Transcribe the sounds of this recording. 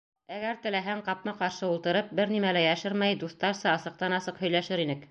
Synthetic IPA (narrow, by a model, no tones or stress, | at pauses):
æɡæɾt̪ɘ̆læɦæŋqɑp̚nɑqɑɾʃɤulˠt̪ɤ̆ɾɤp̚bɘɾnimælæjæʃɘɾmæjd̪ust̪ɑɾsɑːsɤ̆q̚t̪ɑnɑsɤqhɵ̆jlæʃɘɾinɘk